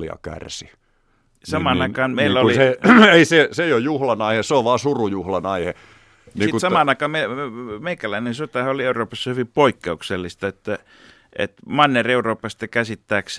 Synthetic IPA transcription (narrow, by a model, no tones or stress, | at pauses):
ḭɑ̰kæ̰rsi | sɑmɑnnɑikɑːnmeˑiːæoliseeiseseijojjuhlɑnɑiheseoʋʋɑːsurujuhlɑnɑihe | niːkusɑmɑˑnɑˑikɑːmemeikælæinensot̪ɑhɑolieuroːpɑsːɑhyʋipoikːeukselːist̪ɑet̪ːæ | ḛt̪mɑnːereuroːpːˑɑst̪ːɑkæsit̪ːæːks